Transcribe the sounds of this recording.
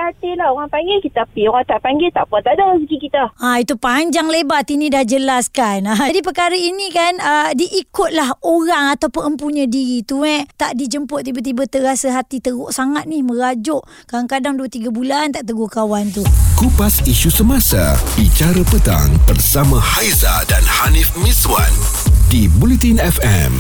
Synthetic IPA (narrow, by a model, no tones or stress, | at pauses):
at̪ilahoɣaŋpaŋɡɪlkit̪apioɣaŋt̪aʔpaŋɡɪlt̪aʔpɔnt̪adasəɡikit̪aait̪upaɲd͡ʒaŋlebat̪inidahd͡ʒəlaskanaadip̬əkaɾəinikanədiʔikʊt̪̚laɦoɾaŋat̪awpʊnəmpuɲədiɾit̪uɛt̪aʔdid͡ʒəmpʊt̪̚t̪ːibat̪̬ibət̪əɾasəɦat̪it̪əɡʊʔsaŋat̪̚nihməɾad͡ʒʊʔ | kaaŋkadaŋduət̪iɡabulant̪aʔt̪əɡukawant̪ukupasiʃusəmasa̰bit͡ʃaɾəpət̪a̰ŋbərsamãhajzadanhanifmiswa̰n | dibulit̪inɛfɛ̰m